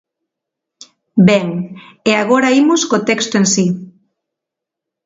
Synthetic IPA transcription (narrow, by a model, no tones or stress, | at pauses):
bɛŋeaɣ̞oɾaimʊskot̪ɛkst̪oensi